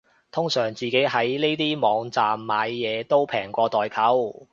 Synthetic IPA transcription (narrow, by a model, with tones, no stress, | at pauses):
t̪ʰʊ˥ŋsœː˨˩ŋt͡siː˨ke˨˥jɦɐ˨˥jne˥jt̪iː˥mɔː˨˧ŋt͡saː˨mːaː˨˧jːɛː˨˧t̪o˥wpʰɛː˨˩ŋkʷɔː˧t̪ɔː˨jkʰɐ˨˥w